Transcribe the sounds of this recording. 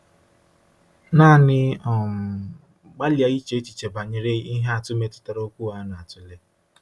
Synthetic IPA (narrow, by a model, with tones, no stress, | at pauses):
na˦˨nɪ˦ɔ˨m˨ | ɡ͡ba˦li˨a˦i˦t͡ʃe˦t͡ʃi˨t͡ʃe˨ba˨ɲɪ˨ɾe˦i˦ɦe˦a˨tʊ˦me˨tʊ̥˨ta˨ɾo˦kʷu˦a˦na˨a˨tʊ˦le˦